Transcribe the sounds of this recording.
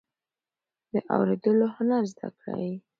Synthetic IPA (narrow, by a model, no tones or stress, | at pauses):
d̪əʔawɾed̪əlohʊnaɾzd̪a̰kɽa̰wi